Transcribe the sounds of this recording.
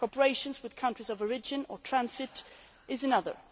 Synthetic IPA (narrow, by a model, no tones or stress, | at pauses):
kʰɔpə˞eɪʃɨ̃nzwɨð̥kʰʌ̃ntɹ̥izʌvəɹɪd͡ʒɨ̃nə˞tʰɹ̥æ̃nsɪɾ | ɪzɨnʌðə̰˞